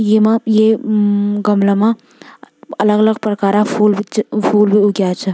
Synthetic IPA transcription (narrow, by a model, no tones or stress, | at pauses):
jemãje | ɡɐmlamã | ɐləɡɐləɡpɾəkaːɾãfuːlbit͡ʃpʰuːlbʱioɡjaːt͡ʃʰɐ